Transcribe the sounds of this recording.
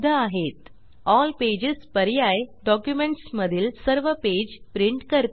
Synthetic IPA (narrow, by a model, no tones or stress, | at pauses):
d̪ʱəaɦet̪ | ɔlped͡ʑespəɾjajɖɔkjumeɳʈsməd̪ʱiːlsəɾʋəped͡ʑpɾiɳʈkəɾt̪